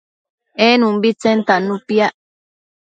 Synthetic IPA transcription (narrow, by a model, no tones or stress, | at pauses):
enũmbit͡sent̪anũpjaʔ